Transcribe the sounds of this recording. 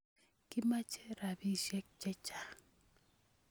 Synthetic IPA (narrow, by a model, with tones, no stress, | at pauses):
kɪ˦ma˦t͡ʃɛ˦ɾa˨bi˦ʃɛ˦k̚t͡ʃɛ˦t͡ʃa˨